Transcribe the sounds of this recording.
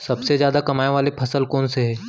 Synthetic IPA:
sɐbsezjaːd̪akɐmaːeʋaːlepʰɐsəlkɔːnseɦɛː

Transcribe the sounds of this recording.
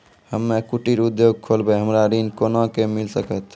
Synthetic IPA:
həmːekuʈiɾud̪joɡ̚kʰolbəɦəmɾaɾinkonokemilsəkət̪ʰ

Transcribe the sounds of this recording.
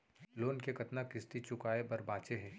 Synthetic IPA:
loːnkekɐt̪nakɪst̪it͡ʃʊkaːebɐɾbaːt͡ʃeɦɛ̃ː

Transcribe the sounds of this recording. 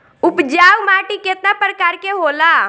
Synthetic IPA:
ʊpd͡ʒaːwmaːʈiket̪̚napɾəkaːɾkeɦoːlaː

